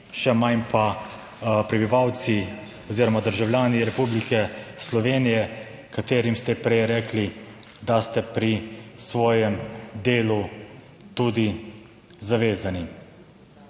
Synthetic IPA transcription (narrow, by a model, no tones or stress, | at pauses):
ʃɛmanpa | pɾɛbiʋawt̪si | oziːɾɔmad̪əɾʒawljaːniɾɛpublikɛslɔʋeːnijɛ | kat̪eːɾimst̪ɛpɾɛjɾɛːkli | d̪ast̪ɛpɾisʋɔːjɛmd̪eːlu | t̪ud̪i | zaʋeːzani